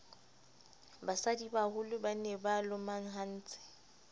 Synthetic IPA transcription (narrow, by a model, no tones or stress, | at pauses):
basadibahʊlʊbanebalʊmaŋ̩ɦan̩ːt͡sʼɪ̥